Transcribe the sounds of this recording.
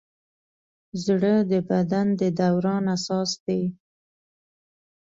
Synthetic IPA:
zɽəd̪əbad̪and̪əd̪awɾɑnasɑsd̪ej

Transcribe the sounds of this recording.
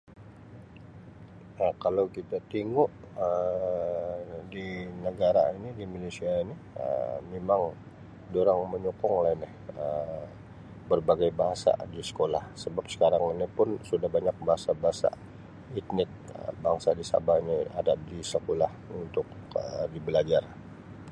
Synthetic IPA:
akalawkit̪at̪iŋʊʔ | ə | dinəɡaɾa̰inidimilesiaini | ə̰memaŋ | doɾaŋməɲokɔŋlainɪhə | bərbaɡajbaɦasa̰disə̥kola̰hsəbap̚sə̥kaɾaŋinipʊnsudahbaɲak̚baɦasabaɦasa̰ | it̪̚nɪt̪̚ə̰baŋsadisa̰bahnia̰daʔdisəkolahunt̪ʊk̚ | ədibəlad͡ʒar

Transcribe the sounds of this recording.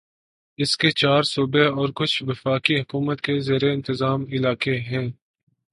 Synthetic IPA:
ɪsket͡ʃaːɾsuːbeɔːɾkʊt͡ʃʰʋɪfaːkiɦʊkuːmət̪kezeːɾeɪ̃nt̪ɪzaːmɪlaːkeɦɛ̃ː

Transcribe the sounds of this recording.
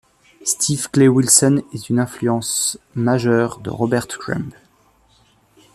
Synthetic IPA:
st̪ʰivklewilsɔnɛt̪ynɛ̃flyɑ̃smaʒœʁd̪ə̰ʁɔbɛʁt̪kʁɛ̰̃mp

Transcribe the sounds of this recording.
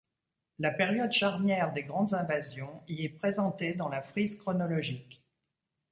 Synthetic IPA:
lapeʁjɔd̪ʃaʁnjɛʁd̪eɡʁɑ̃d̪zɛ̃vazjɔ̃iɛpχezɑ̃t̪ed̪ɑ̃lafχizkχɔnɔlɔʒik

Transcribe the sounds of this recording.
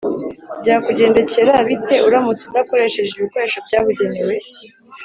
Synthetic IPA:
bɟaːkuɟe̞ːnde̞ce̞ɾaβitʰe̞uɾamut͡sidako̞ɾe̞ʃe̞ʒeβiko̞ɾe̞ːʃobɟaːβuɟe̞newe̞

